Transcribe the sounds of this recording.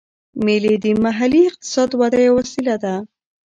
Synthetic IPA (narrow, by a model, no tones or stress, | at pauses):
meled̪əmaɦaliɪq̚t̪ɪ̥sɑd̪wad̪ajawasilad̪a